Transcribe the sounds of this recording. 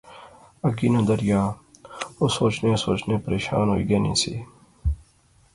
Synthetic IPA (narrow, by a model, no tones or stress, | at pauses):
ɐkinɐd̪ɐɾjaː | osoːt͡ʃnesoːt͡ʃneːpɾeɕa̰ːnoḭɡenḭsḭ